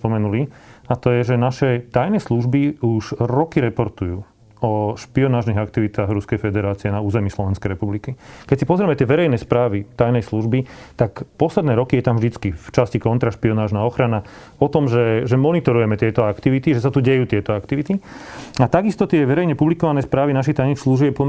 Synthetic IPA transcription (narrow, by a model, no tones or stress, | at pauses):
pɔmɛnuliat̪ɔjɛʒɛnaʃɛt̪ajnɛsluʒbiuʃɾɔkiɾɛpɔɾt̪ujuː | ɔʃpiɔnaːʒniɦak̚t̪iʋit̪aːɣɾuskɛjfɛd̪ɛɾaːt͡siɛnauːzɛmiːslɔʋɛnskɛjɾɛpublikikɛc̚sipɔzɾɛmɛt̪ɪɛʋɛɾɛjnɛspɾaːʋit̪ajnɛjsluʒbit̪akpɔslɛd̪nɛːɾɔkijɛt̪amvd̪it͡skift͡ʃascikɔnt̪ɾaʃpiɔnaːʒnaɔxɾana | ɔt̪ɔmʒɛʒɛmɔnit̪ɔɾujɛmɛt̪ɪɛt̪ɔakt̪iʋit̪iʒɛsat̪uɟɛjuːt̪ɪɛt̪ɔakt̪iʋit̪iat̪aɡist̪ɔt̪ɪɛʋɛɾɛjɲɛpublikɔʋanɛspɾaːʋinaʃ̬it̪ajnixsluʒɛɛpɔ